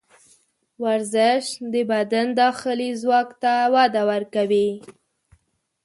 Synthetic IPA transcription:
waɾzɪʃd̪əbad̪and̪ɑxɪlizwɑkt̪awɑd̪awaɾkawi

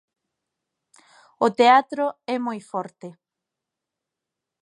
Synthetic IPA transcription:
ʊt̪eat̪ɾoɛmojfɔɾt̪e

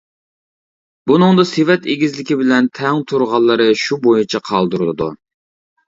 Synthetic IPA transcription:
bunɨŋd̪ɑsevɛt̪eɡʲizlɪkʲibɪlɛnt̪ʰɛŋt̪ʰuɾʁɑlˠːɨɾɨʃubojut͡ʃʰɛqʰɑlˠd̪uɾɨlˠɨd̪u

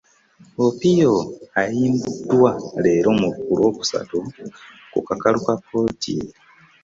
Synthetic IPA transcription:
opijoajiːmbudwale̞ːɾo̞muukulo̞ːku̥sa̰tu | kṵkakalukapoːtʰi

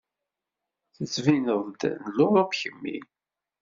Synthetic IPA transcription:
θət͡sːvinəðˤd̪nəlːʊɾˤɑpçəmːḭ

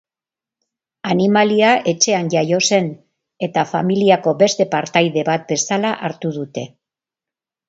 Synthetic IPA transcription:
animaliaʔe̞t͡ʃe̞anʝajo̞se̞n | e̞t̪afamiliako̞be̞st̪e̞paɾt̪ajðe̞βat̪̚be̞salaʔaɾt̪uðut̪e̞

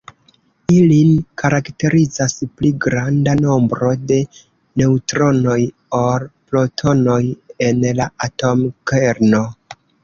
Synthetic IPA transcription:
ilinkʰaɾakte̞ɾizaspliɡɾandano̞mbɾo̞de̞ | ne̞utɾo̞no̞j | oɾplotʰo̞no̞je̞nlaʔato̞mke̞ɾno̞

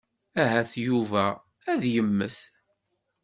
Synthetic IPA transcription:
æɦæθjuvæ | æðjəmːəθ

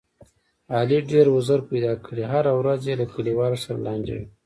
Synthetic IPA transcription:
ɑliɖeɾwʊzəɾpajd̪ɑkəɽiɦaɾawɾazjelakuliwɑɾasaɾa̰lɑnd͡ʒḛwi

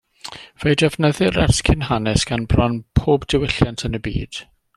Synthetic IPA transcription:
v̥ejdɛvnəðɪɾɛ̰rskʰɪnɦanɛsɡ̥anbrɔnpʰoːbdɪwɪɬjantʰənəbḭːd̥

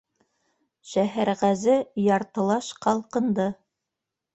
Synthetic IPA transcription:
ʃæɦæɾʁæzɘjɑɾt̪ɤ̆lˠɑʃqɑlˠqɤ̆nd̪ɤ

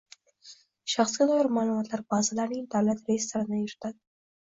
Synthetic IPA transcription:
ʃɑχsɡid̪ɑjɾmɑlumɑt̪laɾbɑzɪlanid̪awlat̪ɾesaɾanajɪɾt̪ad̪

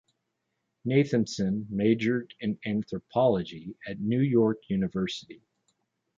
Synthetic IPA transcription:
neɪθɨ̃nsɨ̃nmeɪd͡ʒə˞ɾɨ̃næ̃nθɹəpʰɑlˠəd͡ʒiɨtⁿnʉjɔɹkʰjʉnɨvɜ˞sɨɾi

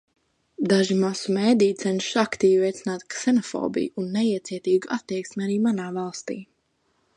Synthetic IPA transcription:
d̪aʒimasumeːd̪ijt̪sɛnʃakt̪iːvɾɛjt̪sʲinaːt̪ksɛnɔfoɔ̰ːbḭjunːɛiɛt̪siɛt̪iːɡuat̪ːiɛksmʲaɾiːmanaːvalˠst̪ḭː

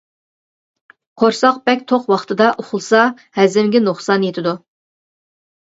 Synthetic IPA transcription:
qʰoɾsɑqbɛkʲt̪ʰoqwɑχt̪ʰɨd̪ɑʔoχʊlˠsɑ | hɛzɪmɡʲɪnoχsɑnjet̪ʰɪd̪u

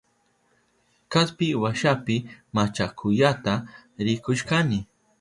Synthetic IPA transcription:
kaspɪwaʃapɪmat͡ʃakʰʊjat̪aɾɪkʊʃkanɪ

